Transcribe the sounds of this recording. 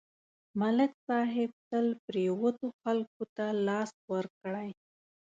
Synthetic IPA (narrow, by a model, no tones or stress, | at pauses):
malɪksɑɦɪb̚t̪əlpɾewət̪oxalk̚ot̪alɑswəɾkɽaj